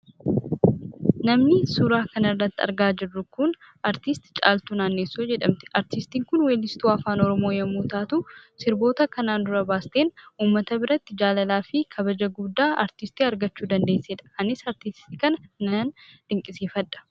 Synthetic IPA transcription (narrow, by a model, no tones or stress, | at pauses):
nɐmnɪsuːɾaːkɐnɐɪrːɐt̪ːɪɐ̰ɾɡaːd͡ʒɪrːʊkʊn | ɐɾt̪ɪst̪t͡ʃʼa̰ːlt̪unaːnːeːsːuːd͡ʒɛᶑɐmt̪ɪ̥ɐɾt̪ɪst̪iːŋkʊnweːlːɪst̪uːɐfaːnɔɾɔmoːjɐmːuːt̪aːt̪uːsɪɾbo̞ːt̪ɐkɐnaːnd̪ʊɾɐbaːst̪e̞ːnuːmːɐt̪ɐbɪɾɐt̪ːɪd͡ʒaːlɐlaːfɪkʰɐbɐd͡ʒɐɡʊd̪ːaːɐ̰ɾt̪ɪst̪iːɐɾɡɐt͡ʃːuːd̪ɐnd̪e̞ːsːeːᶑ̪ɐ̥ɐnɪsɐɾt̪ɪst̪ikɐnɐnɐanᶑ̪̥ɪŋkʼɪseːfɐᶑɐ̥